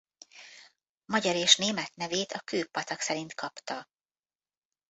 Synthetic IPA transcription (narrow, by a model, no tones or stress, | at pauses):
mɒɟɒɾeːʃneːmɛt̪nɛveːt̪ɒkøːpːɒt̪ɒksɛɾint̪kʰɒpt̪ɒ